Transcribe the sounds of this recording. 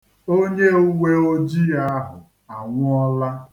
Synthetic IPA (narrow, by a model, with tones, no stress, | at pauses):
o˦ɲe˦u˦wʷe˦o˦d͡ʒi˦a˦ɦʊ̰˨ | a˨ŋʷʊ˦ɔ˦la˦